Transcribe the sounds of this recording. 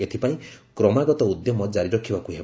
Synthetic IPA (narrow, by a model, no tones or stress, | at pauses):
et̪ʰipaĩkɾɔmaɡɔt̪ɔud̪jɔmɔd͡ʒaɾiɾɔkʰibakuɦeb